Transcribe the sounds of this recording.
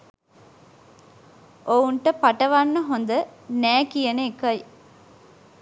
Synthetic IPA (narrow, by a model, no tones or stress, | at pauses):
ʔouɳʈəpaʈəʋanːəɦond̪ənæːkijəneekɐj